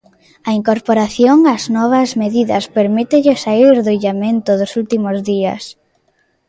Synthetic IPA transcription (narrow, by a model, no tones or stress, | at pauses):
ɐiŋkoɾpoɾaθjoŋaznɔβ̞ɐzmeðiðɐ̰speɾmit̪ɪʎɪsaiɾðoiʎamẽnt̪ʊðʊsult̪imozðiɐ̰s